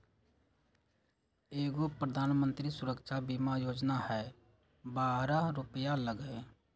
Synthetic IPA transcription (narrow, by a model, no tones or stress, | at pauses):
eːɡopɾəd̪ʱaːnmə̃nt̪ɾisʊɾəkʃʰabimajoːd͡ʒnahɛː | baːɦɾãɾʊpjaləɡe